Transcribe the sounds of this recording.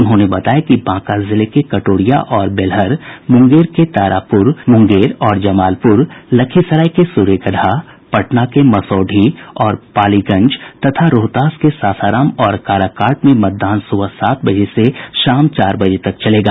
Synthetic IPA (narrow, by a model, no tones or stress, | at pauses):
ʊnɦõnebɐt̪aːjekibãːkazɪlekekɐʈoːɽija̰ʔɔːɾbɪlɦəɾmʊ̃ŋɡeːɾket̪aːɾʔaːpʊɾmʊ̃ŋɡeːɾɔːɾd͡ʒɐmaːlpʊɾlɐkʰisɐɾaːikesuːɾekəɽʱa | pɐʈnakemɐsɔːɖʱiɔːɾpaːliɡɐ̃ɲd͡ʒt̪ɐt̪ʰaɾoːt̪aːskesaːsaːɾaːmɔːɾkaːɾakaːɾʈmẽmɐt̪̚d̪aːnsʊwasaːt̪̚ʰbɐd͡ʒeseʃaːmt͡ʃaːɾbɐd͡ʒet̪ɐkt͡ʃɐleːɡaː